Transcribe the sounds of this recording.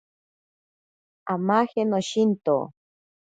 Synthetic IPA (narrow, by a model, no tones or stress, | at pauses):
amahenoʃint̪o̰